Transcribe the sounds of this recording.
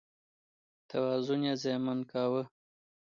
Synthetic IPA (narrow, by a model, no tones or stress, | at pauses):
t̪ʰawaːzʊnjazemankaːwə